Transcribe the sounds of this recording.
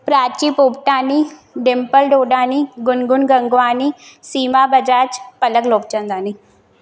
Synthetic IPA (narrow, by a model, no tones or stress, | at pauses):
pɾaːt͡ʃiːpoːpʈaːniɖempəlɖoːɖaːniɡʊnɡʊnɡɐŋɡʋaːnisiːmaːbɐd͡ʒaːt͡ʃpɐləɡloːp̚t͡ʃɐ̃nd̪aːni